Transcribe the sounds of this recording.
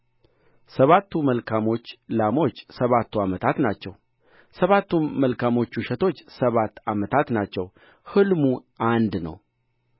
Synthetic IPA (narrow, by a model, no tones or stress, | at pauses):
səβat̪ʰːuməlkʰamo̞t͡ʃːlamo̞t͡ʃːsəβat̪ʰːuamət̪ʰat̪nat͡ʃːɛw | səβat̪ːuməlkʰamo̞t͡ʃːuʃɛt̪ʰo̞t͡ʃːsəβat̪ːamət̪ʰat̪nat͡ʃːɛw | hɨlmuʔand̪nə̰w